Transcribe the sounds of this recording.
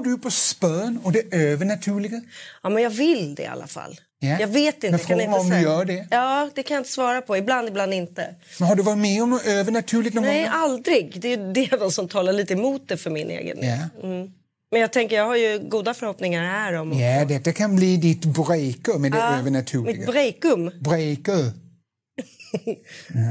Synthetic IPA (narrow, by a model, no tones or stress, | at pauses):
dɵpʰɔspœːnɔd̪ɛøːvəɳat̪ʰʉːlɪɡaɑːmɛnjɑːvɪld̪ɛ̰a̰lːa̰fa̰lː | jjɑːɡveːt̪ɪnəafɾkoanɪɔmd̪jœːɖɛjɑːd̪ɛkʰanjaɪnt̪əsvɑːɾapʰɔɪbland̪ɪbland̪ɪnt̪ə̰mɛnɦaɖɵvɑːɾɪt̪mɛɔmøːvəɳat̪ʰʉ̟ːlɪɡ̪nɔnɛjald̪ɾɪɡd̪ɛjɵd̪ɛvɛnsɔmt̪ʰɑːlaɭiːt̪əɛmuːt̪̚d̪ɛfœɾmɪnʔḛːɡə̰nj̰am̩ | mɛnjɑːɡ̚t̪ʰɛŋkəjɑːɡhaɾjɵɡuːd̪afœɾhɔpnɪŋaɾhæːɾɔmjad̪ɛt̪ːakʰanbliːd̪ɪt̪bɾɛjkɵmːɛnd̪ɛøːvəɳat̪ʰʉːmɪɪt̪ɡbɾɛjkɵmbɾɛjkɵ